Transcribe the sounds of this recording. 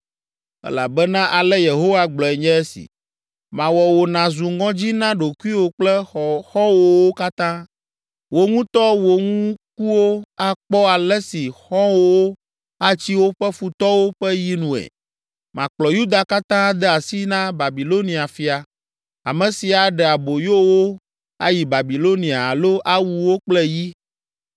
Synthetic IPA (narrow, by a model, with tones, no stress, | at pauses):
ɛ̰˦la̰˨bɛ˦nã˦ʔa˨lɛ˦je˨ɦo˦wa˦ɡ͡blɔ˨ɛ˨ɲɛ̃˦ɛ˦sḭ˨ | mã˨wɔ˨wo˨nã˨zu˨ŋɔ̃˦d͡ʑi˦nã˦ɖo˨ku˦i˦wo˨k͡plɛ˦˨xɔ̃˦wo˦wo˦ka˦t̪ã˦ | wo˨ŋũ˦t̪ɔ˦wo˨ŋũ˦ku˦wo˦a˦k͡pɔ˦a˨lɛ˦si˨xɔ̃˦wo˦wo˦ | a˦t͡ɕi˦wo˦ɸɛ˦fu˨t̪ɔ˦wo˦ɸɛ˦ji˦nũ˨ɛ̰˨ | mã˨k͡plɔ˨ju˦d̪a˨ka˦t̪ã˦d̪ɛ˦a˨si˦nã˦ba˨bi˨lo˦nĩ˨a˨fi˨a˨ | a̰˨mɛ̃˨si˨a˨ɖɛ˨a˨bo˨jo˦wo˦ | a˦ji˨ba˨bi˨lo˦nĩ˨a˨lo˦ʔa˦wu˨wo˦k͡plɛ˦ji˦